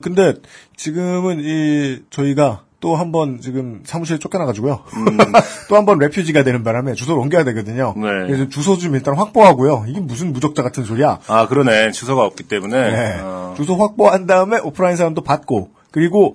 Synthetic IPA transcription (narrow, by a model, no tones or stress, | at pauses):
kɯnde̞t͡ɕiɡɯmɯnit͡ɕʌiɡat͈oɦambʌnt͡ɕiɡɯmsʰamuɕʰiɾɯɭt͡ɕ͈ok͈ʌnaɡad͡ʑiɡojo | t͈ohambʌnɾe̞pʰjid͡ʑiɡadwe̞nɯnbaɾame̞t͡ɕusʰoɾʌŋɡejadwe̞ɡʌdɯɲoneesʰot͡ɕusʰod͡ʑumiɭt͈ʰaɾnɸwak̚p͈oɦaɡojoiɡe̞mus̬ʰɯnmud͡ʑʌk̚t͡ɕ͈aɡatʰɯnsʰoɾiaakɯɾʌne̞t͡ɕusʰʌɡaʌp̚k͈it͈e̞mune̞ne̞t͡ɕusʰoɸwak̚p͈oɦandaɯme̞ʔopʰɯɾainsʰaɾamdopat̚k͈o | kɯɾiɡo